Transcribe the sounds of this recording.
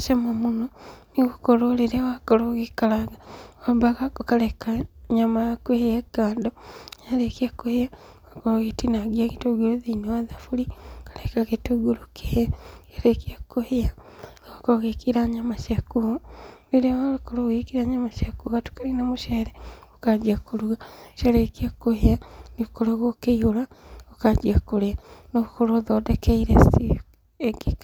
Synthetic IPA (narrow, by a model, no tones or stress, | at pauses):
ʃamamunoniɣukololeɾewakoloɣikalaɡawabaɣakokalekaɲamakwehjeɡaːndojalekiakːohja | wakoloɣitinaɡiakitoɡuluðinowaðafulikḁlekakitoɡulukʰejalekiakːuhja | akoɣekiɾaɲamaʃakuβeɾealokoɾoɣekiɾaɲamaʃjakuɣatu̥kaɾinamoʃeɾeokad͡ʒiakuɾuɣaʃeɾekiakoheaniɣokoɾoɣokeioɾaokad͡ʒiakoɾeanoɣukoɾoðodekeiɾesi | eɡik